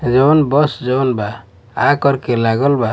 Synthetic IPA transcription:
d͡ʒɔwnbɔsd͡ʒɔwnba | akɔɾkɛlaɡɔlba

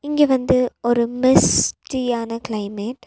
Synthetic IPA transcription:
ɪŋɡeːʋɐnd̪ɯɔɾɯmɪsʈijaːnɐkɪlɐɪmeːʈ

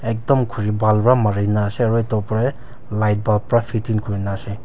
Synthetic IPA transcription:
ek̚dɔmkʰuɾibalpɾamaɾinaseɐɾɔjtɔwpɾe | lajt̚balpɾapʰitinkʰuɾinase

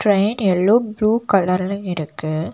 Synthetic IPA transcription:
ʈɾɐɪnɛlːoːbluːkɐlɐɾlɯ̃ɪɾɯkːɯ

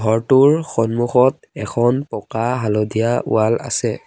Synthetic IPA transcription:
ɡʱɔɹtuɹxɔnmuxɔt̚ | ɛkʰɔnpɔkaɦalɔdijaṵwala̰sɛ

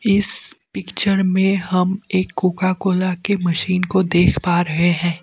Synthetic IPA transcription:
ɪspɪkt͡ʃəɾmẽɦɐmeːkːuːkakoːlakemɐʃiːnkod̪eːkʰpaːɾɐɦeɦɛ̃ː

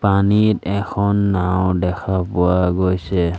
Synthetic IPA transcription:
panitɛkʰɔnːawdɛkʰapʊwaɡojsɛ

